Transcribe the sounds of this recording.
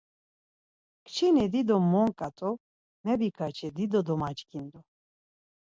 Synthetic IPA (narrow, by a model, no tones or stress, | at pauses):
kʰt͡ʃʰinɛd̪id̪ɔmːɔŋkʼat̪ʼɔ | nɛbikʰat͡ʃʰɛd̪id̪ɔd̪ɔmat͡ʃkʰind̪ɔ